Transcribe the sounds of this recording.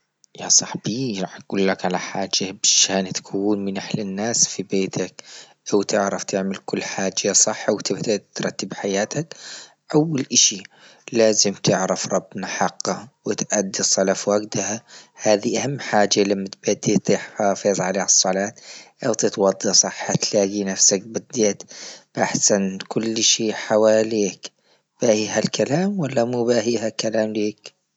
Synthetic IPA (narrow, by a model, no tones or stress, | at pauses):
jasˤɑħb̥iɾˤɑːħɡ̥uːlːakʕalaħaːd͡ʒːabɪʃaːnt̪ḁkʰuːnmɪnʔaħlɪnːaːsfibeːt̪ʰak̚ | ʔawt̪ʰɪʕɾaft̪ʰɪʕmɪlkʊlːħaːd͡ʒasˤɑħːawt̪ɪbt̪at̪ɾˤɑt̪ːɪbħajaːt̪ʰak | ʔawːalʔaʃi | laːzɪmt̪ɪʕɾɑfɾˤɑbnaħɑqːɑwɪt̪ʔad̪ːisˤɑlafwaɡd̪ahahaːðiʔahamːħaːd͡ʒalamːat̪̚bad̪ːit̪ˤiːħħaːfiːzˤʕaleːhɑsˤːɑlɑːt̪ʔawt̪ɪt̪wɑd̪ˤːɑsˤɑħːat̪laːɡinafsak̚bɪd̪eːt̪b̥ʔaħsankʊlːʃiːħawaːleːk | b̥ahiːɦalkalaːmwalːamuːbaːɦiːɦakalaːmleːk